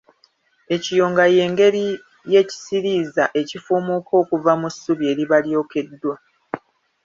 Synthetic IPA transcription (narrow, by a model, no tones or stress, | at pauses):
e̞cijoːŋɡaje̞ːŋɡe̞ɾi | je̞ːci̥siɾiːzaʔe̞cifuːmukʰo̞ːkuvamusːuβie̞ːɾiβaljo̞ːke̞dːwa